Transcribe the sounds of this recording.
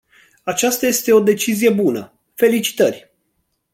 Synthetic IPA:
at͡ʃast̪aje̞st̪e̞o̞d̪e̞t͡ʃizije̞bunə̰ | fe̞lit͡ʃi̥t̪ərʲ

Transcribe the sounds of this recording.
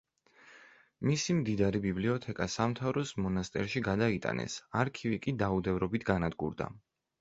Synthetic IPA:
misimd̪id̪aɾibibliɔt̪ʰɛkʼasamt̪ʰavɾɔsmɔnast̪ʼɛ̰ɾʃiɡad̪ait̪ʼa̰nʔɛ̰saɾkʰivikʼid̪aud̪ɛvɾɔbit̪ʰɡanad̪ɡṵɾd̪a̰

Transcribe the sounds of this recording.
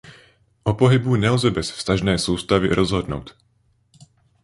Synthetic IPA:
ʔɔpoɦibunɛlzɛbɛsfst̪aʒnɛːsuːst̪avḭɾʔɔzɦɔdno̰wt̪

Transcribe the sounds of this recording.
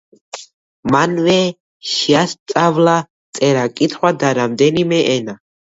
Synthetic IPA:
manvɛ | ʃiast̪sʼavla | t̪sʼɛɾakʼit̪ʰχwad̪aɾamd̪ɛnimɛʔɛna

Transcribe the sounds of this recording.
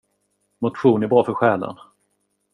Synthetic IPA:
mʊt̪ɧuːnæbɾɑːfœɾɧɛːlə̰n

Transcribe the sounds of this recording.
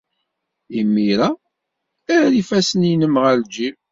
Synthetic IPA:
imːiɾa | æɾɾifæsəninəmʁæld͡ʒi

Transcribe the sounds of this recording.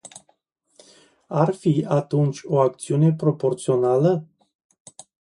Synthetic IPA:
arfiat̪unt͡ʃʲo̞ak̚t̪siune̞pɾo̞po̞rt̪sio̞nalə

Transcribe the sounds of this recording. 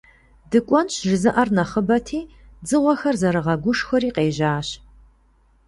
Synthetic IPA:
dɨkʷʼɔnɕʒɪzɨʔɐrnɐχəbɐtʰiː | d͡zɨʁʷɔxɐrzɐɾɨʁɐɡʷʊʂxɐɾiːqeːʒaːɕ

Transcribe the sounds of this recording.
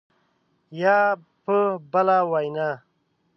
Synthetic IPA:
ja | pəbɐlawajna

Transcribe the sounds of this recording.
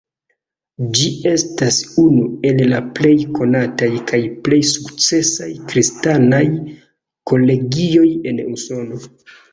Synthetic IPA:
d͡ʒie̞stasunue̞llaple̞jkʰo̞natajkajple̞jsukt͡se̞sajkɾistanaj | ko̞le̞ɡio̞je̞nuso̞no̞

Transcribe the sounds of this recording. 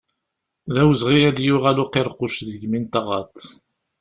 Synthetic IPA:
ðæwəzʁijæðjʊʁælʊqeɾˤqʊʃðəɡmint̪ɑʁɑ̰t̪ˤ

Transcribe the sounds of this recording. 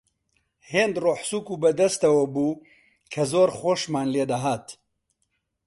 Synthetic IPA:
heːnd̪roːħsuːkuːbɐd̪ɐst̪ɐwɐbuː | kʰɐzoːɾxoːʃmaːnleːd̪ɐɦaːt̪

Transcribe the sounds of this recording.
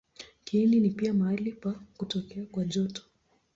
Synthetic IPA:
kininipiamaalipakutɔkɛakwaʄɔtɔ̥

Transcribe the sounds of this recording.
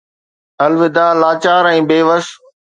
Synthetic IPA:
ɐlʋɪd̪aːlaːt͡ɕaːɾɛ̃ːbeːʋəs

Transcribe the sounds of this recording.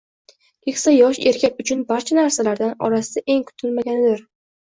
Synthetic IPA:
kʰɪksajɒʃe̞ɾkʲʰakʲʊt͡ʃʰʊnbaɾt͡ʃʰanaɾsalaɾd̪anɒ̰ɾasɪd̪aʔe̞ŋkʰʊ̥t̪ʰɪlmaɡʲanɪd̪ɪɾ

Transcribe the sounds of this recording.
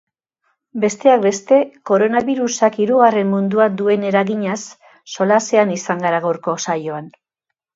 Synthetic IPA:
be̞st̪e̞ak̚be̞st̪e̞ko̞ɾo̞naβiɾusakiɾuɣare̞mːund̪uad̪ue̞ne̞ɾaɣiɲasː | o̞lase̞anisaŋɡaɾaɣoɾko̞sajo̞an

